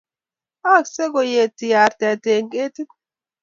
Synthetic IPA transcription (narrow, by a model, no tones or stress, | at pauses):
ʔaksɛɡɔjeːt̪ːɪjaːɾt̪ɪat̪eːŋkʼeːt̪ɪkɔ̥